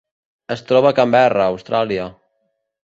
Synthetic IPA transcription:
əst̪ɾɔβakambɛrəːwst̪ɾaliə

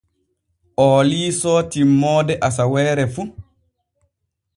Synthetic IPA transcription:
ʔɔːliːsɔːtimːɔːdɛʔasawɛːɾɛfu

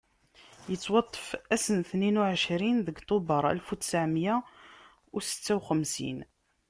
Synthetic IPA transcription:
jət͡sːwɑt̪ˤːə̥fæsənθninuʕəʃɾinðəɡt̪ˤobəɾˤæ̰lfut̪ːsaʕmjæ | usə̥t͡sːæwxəmsḭn

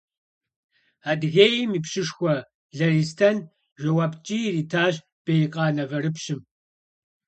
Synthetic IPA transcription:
aːdɣeːjɪmiːpɕɪʂxʷɔ | ɮɐɾiːstʰɐn | ʒɐwaːbt͡ʃʼiːriːtʰaːɕ | b̥ejqʼɑːnɐvɐɾɨpɕɪm

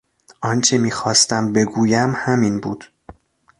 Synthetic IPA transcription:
ʔɒnt͡ʃʰemiːxɒːst̪æmbe̞ɡuːjæmhæmiːnbuːd̪̥

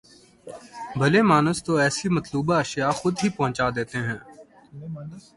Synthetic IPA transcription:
bʱɐlemaːnəst̪oɛːsimɐt̪luːbaɐʃijaxʊd̪ɦipɐɦʊ̃t͡ʃaːd̪eːt̪eɦɛ̃ː

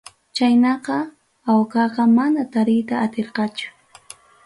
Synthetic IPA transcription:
t͡ʃajnɑqɑ | awkɑqɑmanat̪aɾɪjt̪aːt̪eɾqɑt͡ʃʊ̥

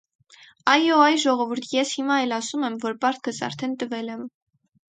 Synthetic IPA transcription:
ɑjɔɑjʒɔʁɔvuɾt̪ʰjɛshimɑɛlɑsumɛmvɔɾpɑɾt̪̚kəsɑ̰ɾt̪ʰɛnt̪əvɛlɛm

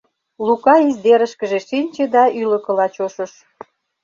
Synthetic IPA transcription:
lukɑizd̪eɾəʃkəʒeʃinʲt͡ɕed̪ɑylə̆kə̆lɑt͡ɕoʃə̆ʃ

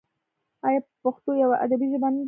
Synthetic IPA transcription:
ajapaxt̪ojawaʔa̰d̪abiʒəban

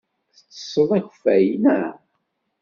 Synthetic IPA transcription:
θə̥t͡sːə̥sˤəðˤæç̥fæjnæ

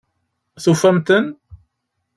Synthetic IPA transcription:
θufːæmt̪ən

